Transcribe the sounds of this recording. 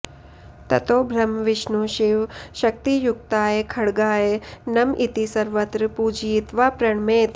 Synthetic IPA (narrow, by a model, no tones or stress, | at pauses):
t̪ɐt̪oːbʱɾɐmʋɪʃnuʃiʋʃɐk̚t̪ijuk̚t̪aːjekʰɐɽɡaːjenɐmʔit̪isɐɾʋɐt̪ɾəpud͡ʒit̪ʋaːpɾɐɳmeːt̪